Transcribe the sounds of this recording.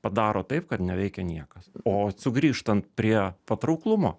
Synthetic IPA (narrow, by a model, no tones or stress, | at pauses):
pɐd̪ɑːɾoːt̪ɐɪpkɐt̪nʲɛʋʲɛɪkʲɛnʲiɛkɐsoːsʊɡɾʲiːʃt̪ɐnt̪̚pʲɾʲiɛpɐt̪ɾɐʊklˠʊmo̰ː